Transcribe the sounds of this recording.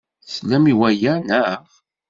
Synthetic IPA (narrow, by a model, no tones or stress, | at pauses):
slæmiwæjænæ